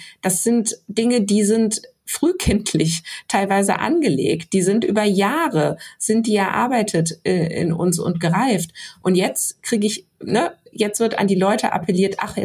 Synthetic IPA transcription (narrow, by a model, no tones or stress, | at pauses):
d̥asz̥ɪntd̥ɪŋədiːzɪnt | fʁ̥yːkʰɪntʰlɪçtʰaɪlvaɪzə̰ʔa̰nɡəlḛːkt̚d̥iːzɪntʔyːbɐjaːʁəz̥ɪnt̚d̥iːɛɐʔa̰ɐbaɪtʰətʔəʔɪ̰nʔʊ̰nsʊ̰ntɡ̥əʁaɪftʔʊntjɛt͡stkʁ̥iːɡəɪçnəjɛt͡stv̥ɪɐta̰ndiːlɔʏtʰəʔa̰pʰəliːɐtʔa̰χɛ